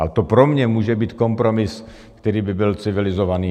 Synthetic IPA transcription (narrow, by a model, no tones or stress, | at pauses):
aɛt̪opɾomɲɛmuːʒɛbiːt̪kompɾomɪs | kt̪ɛɾiːbɪbɪlt͡sɪvɪlɪzovaniː